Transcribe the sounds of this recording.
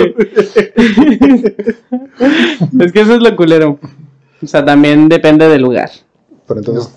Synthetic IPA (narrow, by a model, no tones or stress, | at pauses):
e̞s̬kes̬oezlokuleɾo | oseat̪ambje̞nd̪e̞pe̞nd̪e̞ðe̞luɣa̰ɾ | peɾent̪onses